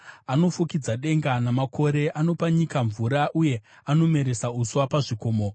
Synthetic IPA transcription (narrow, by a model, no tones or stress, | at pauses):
ano̞fukid͡zaɗe̞ŋɡanamakʰo̞ɾe̞ʔano̞paɲikaɱvuɾaʔuje̞ | ano̞me̞ɾe̞sauswapaʐiko̞ːmo